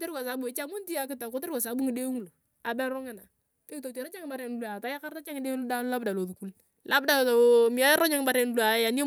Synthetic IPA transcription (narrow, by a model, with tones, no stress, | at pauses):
te˦ɾɡa˨sa˨bu˨e˨t͡ʃa˦mo˦nti˦a˨kɪ˦ta˨ko˦te˦ɾɡa˨sa˨˦bu˦ŋɪ˨de˦ŋu˦lo˨ | a˨bɛ˦ɾʊ˦ŋɪ˦na˨ | te˦˨to˨te˨na˦t͡ʃa˦ŋɪ˦ba˨˦ɾe˨n˨lu˦a˨ta˨˦ja˦ka˦ɾta˦t͡ʃa˦ŋɪ˦de˦lda˦lla˦bda˨lo˨ðu˨ku˦l | lʔa˦bda˨to˨mi˨a˦ja˦ɾo˦ɲa˦ŋ˦ba˦ɾe˨n˦lu˨a˨ja˨ni˦o˦